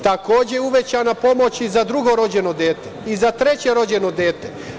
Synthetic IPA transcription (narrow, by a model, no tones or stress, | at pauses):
t̪ako̞ːd͡ʑeuʋet͡ɕanapo̞mo̞t͡ɕizad̪ɾuɡo̞ɾo̞d͡ʑeno̞d̪eːt̪eizat̪ɾe̞t͡ɕeɾo̞d͡ʑe̞no̞d̪eːt̪e